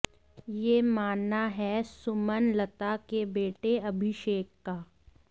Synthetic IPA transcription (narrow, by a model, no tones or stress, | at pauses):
jeːmaːnːaɦɛsʊmənlɐt̪akebeːʈeɐbʱɪʃeːkːaː